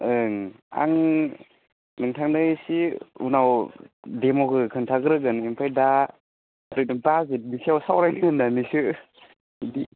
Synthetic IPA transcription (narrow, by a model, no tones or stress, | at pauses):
ɯŋ | a̰ŋ | nɯŋtʰaŋnɯjsiunawdemokɯkʰɯŋtʰaɡɾɯɡɯnimpʰajda | adɯjtɯbazit̚nisiawsawɾajniɯnːanisɯ | di